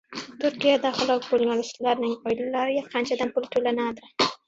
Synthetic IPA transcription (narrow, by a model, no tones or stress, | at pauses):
t̪ʊɾkijad̪aχalɑkpolnalɪst̪laɾnɪŋɡɑjlalaɾɪjaqʰant͡ʃad̪ampult̪olanad̪ɪ